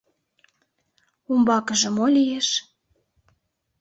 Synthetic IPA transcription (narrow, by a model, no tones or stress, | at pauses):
umbɑkəʒə̆molʲijeʃ